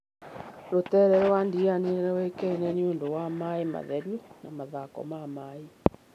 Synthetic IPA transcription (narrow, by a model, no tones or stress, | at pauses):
ɾotɛɾɛɾɛwandianeɾeɾɛwekɛenɛneondowamaema̰ðɛɾwenamaðakɔ̰mamae